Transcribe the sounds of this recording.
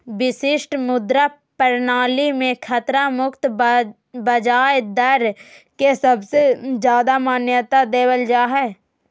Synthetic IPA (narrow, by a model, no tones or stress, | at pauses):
ʋɪsɪʃʈmʊd̪ɾa | pəɾnaːlimẽkʰət̪ɾamʊkt̪ | bəd͡ʒaːjd̪əɾkesəbsed͡ʒjaːd̪amaːnjət̪ad̪eːwəld͡ʒaːɦɛː